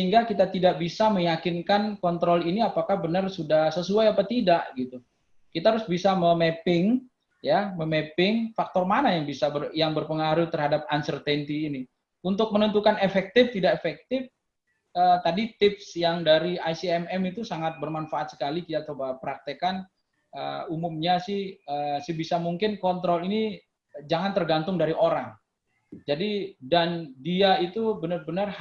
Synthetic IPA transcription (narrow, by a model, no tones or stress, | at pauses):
əiŋɡakit̪at̪idaʔbisaməjakɪnkankɔnt̪ɾɔliniapakahbənərsudahsəsuajapat̪idaʔɡit̪u | kit̪aɦaɾʊsbisaməmepɪŋ | jaməmepɪŋfak̚t̪ɔrmanajaŋbisabəjaŋbərpəŋaɾʊt̪ərhadap̚ansərt̪ɛnt̪iːni | unt̪ʊk̚mənənt̪ukanefɛk̚t̪ɪft̪idaʔefɛk̚t̪ɪf | ət̪adit̪ɪp̚sjaŋdaɾiajsiɛmɛmit̪usaŋat̪̚bərmanfaʔːt̪̚sə̥kalikit̪at͡ʃobapəɾak̚t̪əkan | əumumɲasɪhəsəbisamuŋkɪnkɔnt̪ɾɔlini | d͡ʒaŋant̪ərɡant̪ʊŋdaɾiʔoɾaŋ | d͡ʒadidandiait̪ubənərbənər